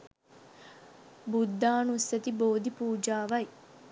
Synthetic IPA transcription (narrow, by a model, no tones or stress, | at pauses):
bud̪ːaːnusːɐt̪iboːd̪ipuːd͡ʒaːʋɐj